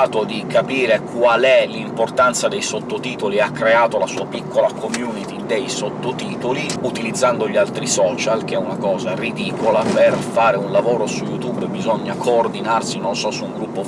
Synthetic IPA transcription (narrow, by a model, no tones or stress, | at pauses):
t̪od̪ikʰapiːɾekwalɛlimport̪ant̪sad̪ejsot̪ːot̪iːt̪oliakːɾeaːt̪olasuːapikʰːolakʰomjuːnit̪id̪ejsot̪ːot̪iːt̪oliut̪ilid̪zːand̪oʎialt̪ɾisɔːt͡ʃalk̟eɛunakɔːzarid̪iːkolaperfaːɾeunlavoːɾosujut̪ubbizɔɲːakʰoːrd̪inarsinonsɔsuːŋɡɾupːo